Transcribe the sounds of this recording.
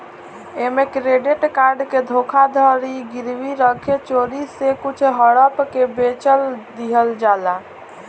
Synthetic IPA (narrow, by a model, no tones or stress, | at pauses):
emekɾeɖeʈkaɾɖked̪ʱokʰad̪ʱəɾiɡiɾʋiɾəkʰet͡ʃoɾisekut͡ʃʰɦəɽəpkebet͡ʃəld̪iɦəld͡ʒala